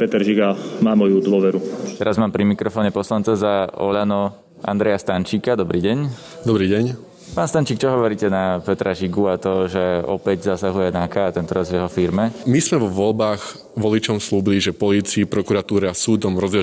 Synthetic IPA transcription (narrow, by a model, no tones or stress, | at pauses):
pɛt̪ɛɾʒiɡamaːmɔjud̪ʋʊɔʋɛɾut̪ɛɾazmaːmpɾimikɾɔfɔːɲɛpɔslant͡sazaɔ̰ʎanɔ | ʔa̰nd̪ɾɛjast̪ant͡ʃiːkad̪ɔbɾiːɟɛɲ | d̪ɔbɾiːɟɛɲ | paːnst̪ant͡ʃiːk̚t͡ʃɔɦɔʋɔɾiːcɛnapɛt̪ɾaʒiɡuat̪ɔʒɛɔ̰pɛɟzasaɦujɛnakaːt̪ɛnt̪ɔɾazʋjɛɦɔfiɾmɛmismɛʋɔʋɔlbaːx | ʋɔlit͡ʃɔmsluːbiliʒɛpɔliːt͡siipɾɔkuɾat̪uːɾɛasuːd̪ɔmɾɔzɛ